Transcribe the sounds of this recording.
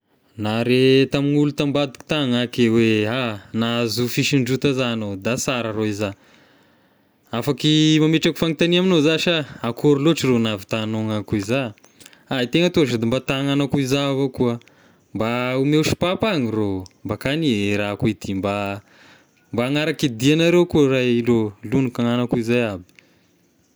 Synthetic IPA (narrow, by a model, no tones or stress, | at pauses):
naɾet̪aminulut̪ambad̪i̥ku̥t̪aŋakeweanazufiʃiɳɖ͡ʐut̪azanod̪asaɾaɾoiza | afakimameʈ͡ʂaku̥faŋit̪aniaminozaʃaakʰoɾiloʈ͡ʂironavi̥t̪anoŋakuiza | ait̪eŋət̪uaʈ͡ʂad̪imbat̪aŋanakuizavakuə | mbaumeʃi̥papaɲirombakanieɾakuid̪imba | mbaːŋaɾakid̪ianaɾewkurajlolunukaŋanakuizajabi̥